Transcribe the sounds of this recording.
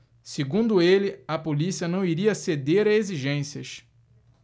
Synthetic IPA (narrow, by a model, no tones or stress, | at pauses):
seɡũnd̪ʊelɪɐpolisiɐnɐ̃w̃iɾiɐsed̪eɾɐeziʒẽsiɐ̰ʃ